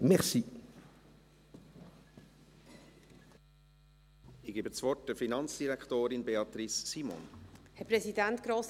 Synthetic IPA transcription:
mɛʁsi | ɪɡ̥ebət͡svɔrt̚d̥əfinɑnt͡sd̥iɾækt̪oːɾɪnbeɑt̪ɾisːimo̰nhɛpɾɛsidænt̪ɡ̥ɾoːs

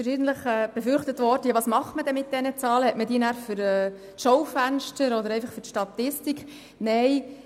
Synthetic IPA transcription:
ʃiːɡən̩t̪ləχɛːb̥efʏɾχtətʋɔɾd̥əjɑʋɑːsmɑχtmədɛmɪt̚d̥ɛnət͡sɑːləhɛtmədiːnæːɾfʏɾɛː | tʃɔwfænʃtəɾɔdəɾɛɪjfɑχfʏɾtʃtɑt̪ɪstikχ | nɛɪ

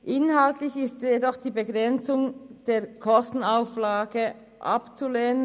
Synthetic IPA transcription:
ʔɪnɦaltlɪçɪstjedɔχd̥iːbəɡʁɛnt͡sʊŋd̥eːɐkʰɔstn̩aʊflaːɡə | ʔa̰pt͡suleːnə

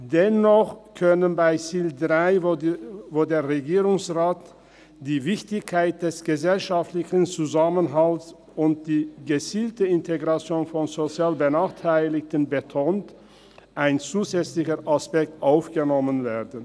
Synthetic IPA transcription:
d̥ɛnɔχkʰœnənbaɪsiːldʁaɪ | voːdeːɐʁeɡiːʁʊŋsʁaːt | d̥iːvɪçtɪçkʰaɪt̚d̥ɛsɡ̥əzɛlʃaftlɪçən̩t͡suzamənɦals | ʊnt̚d̥iːɡət͡siːltəɪntʰeɡʁat͡sjoːnfɔnzot͡sjaːlbənaːχtʰaɪlɪktənbətʰoːnt | ʔaɪnt͡suːzɛt͡slɪçəʁʔaspɛk̚tʔaʊfɡ̥ənɔmənveːɐdn̩

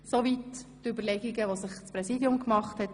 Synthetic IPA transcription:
soʋitː | ybəlɛɡiɡəʋosɪχt͡spɾɛsidjʊmkmɑχthɛt

